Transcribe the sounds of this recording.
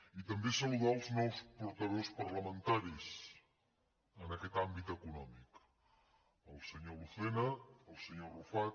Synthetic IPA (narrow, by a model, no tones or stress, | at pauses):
it̪əmbesəluðaəlˠznɛwspuɾt̪əðospəɾləmənt̪aɾis | ənəkɛt̪ambit̪əkunɔmik | əlˠsəɲoluθɛnəːlˠsəɲorufat